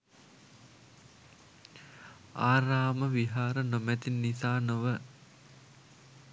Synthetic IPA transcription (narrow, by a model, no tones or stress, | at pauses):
aːɾaːməʋiɦaːɾənomæt̪inːisaːnoʋə